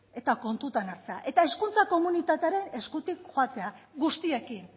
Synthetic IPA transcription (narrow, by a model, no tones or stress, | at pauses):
e̞t̪ako̞nt̪ut̪anaɾt͡se̞a̰ʔe̞t̪ae̞skunt͡sako̞munit̪at̪eaɾe̞ne̞skut̪ikxoat̪e̞aɡust̪ie̞kin